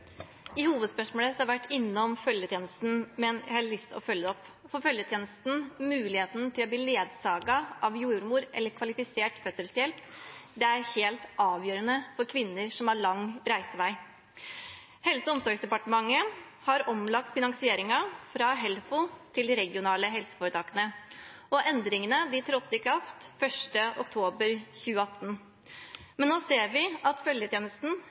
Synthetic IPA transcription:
ɪhuːʋəd̪spœʂmoːləsɔhɑɾʋæʈːɪnːɔmfœljət̪jeːnəst̪n̩mɛnjæɪhɑɭʏst̪ɔ̰fœljːəɔpː | fɔːfœljət̪ʰjeːnəst̪n̩mʉːlɪheːt̪n̩t̪ʰɪlɔb̪iːleːd̪sɑːɡɑʔɑʋjuːɾmuːɾʔɛ̰lːəɾkʰʋɑlɪfɪseːʈfœsəlsjɛlpd̪ɛæɾheːlt̪ʔɑːʋjøːɾənəfɔɾkʰʋɪnːəɾʂɔmɑɾɭɑŋɾæɪsəʋæɪ | hɛlsəɔmsɔɾɡsd̪ɛpɑʈəmɑŋːə | hɑɾɔmlɑk̚t̪fɪnɑŋsɪeːɾɪŋɑfɾɑɦɛlfʊt̪ʰɪld̪iɾɛɡɪʊnɑːləɦɛlsə̥fɔːɾət̪ʰɑːkənə | ɔʔɛnd̪ɾɪŋənəd̪ɪt̪ʰɾɔt̪ːəkʰɾɑft̪fœʂʈəʔɔ̰kt̪ʰoːbəɾçʉːəɑt̪ːn̩ | mɛnnoːseːɾʋɪʔɑt̪fœljət̪ʰjeːnəst̪n̩

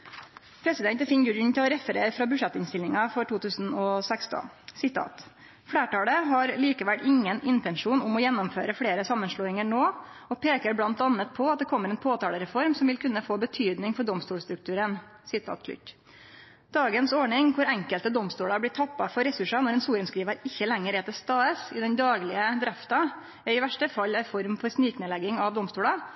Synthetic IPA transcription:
pʰɾɛsɪd̪ɛnt̪ɛfɪnɡʉln̩t̪ʰɪlɔɾɛfəɾeːɾfɾɑːbʉʂɛt̪ːɪnst̪ɪlnɪŋɑfɔʈʰuːt̪ʰʉːsn̩ɔsɛkst̪ɔ̰n | sɪt̪ʰɑ̰ːt̪ | fɽeːʈɑːləɦɑɾliːkəʋælɪŋːənɪnt̪ɛnʂuːnʊmɔjɛnːɔmføːɾəfɽeːɾəsɑmːənʂɭoːɪŋəɳoː | ɔpʰeːkəɾblɑnt̪ɑnːət̪̚pʰɔɑt̪̚d̪ɛkʰɔmːəɾɛːnpʰoːt̪ʰɑːləɾɛfɔɾmsɔmʋɪlkʰʉnːəfoːbət̪ʰyːd̪nɪŋfɔɖɔmst̪uːlst̪ɾʉk̚t̪ʉːɾən | sɪt̪ʰɑ̰ːt̪̚kʰlʏ̰t | d̪̥ɑːɡənsɔɳɪŋkʰʊɾɛŋkəlt̪əd̪ɔmst̪uːlɑblɪʈʰɑpːɑfɔɾɛsʉʂɑnɔɾɛːnsuːɾənskɾiːʋəɾɪçːəlɛŋːəɾɛːt̪əst̪ɑːəsɪd̪ɛnd̪ɑːɡlɪəd̪ɾɛft̪ɑ | æɾɪʋæʂʈəfɑlːɛfɔɾmfɔɾsniːknɛlɛɡɪŋɑʋd̪ɔmst̪uːlɑ

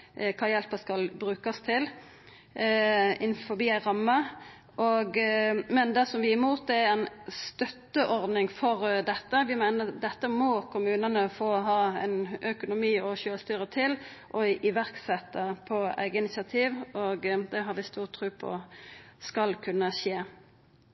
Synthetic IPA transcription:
kʰɑːjɛlpəskɑlbɾʉːkɑst̪ʰɪl | ɪnfɔɾbiːæɪɾɑmːə | ʔɔɡmɛnd̪ɛsɔmʋɪɪmuːt̪̚d̪ɛææɪnst̪œt̪ːəʔɔɾd̪nɪŋfɔɾd̪ɛt̪ːəʋɪmæɪnəd̪ɛt̪ːəmɔkʰʊmʉːnənəfoːɦɑːɛnœkʊnʊmiːɔʃøːlst̪yːɾət̪ʰɪl | ʔɔɪʋæʁksɛt̪ːəpʰɔæ̰ɪɡəɪnɪsɪɑt̪ʰiːʋɔɡd̪ɛɦɑɾʋɪst̪uːʁt̪ʰːɾʉːpʰɔ̰skɑlkʰʉnːəʃeː

